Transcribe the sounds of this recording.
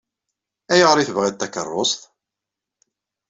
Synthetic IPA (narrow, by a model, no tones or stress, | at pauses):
æjəʁəɾˤiθəvʁæt̪ːækə̰rˤːosθ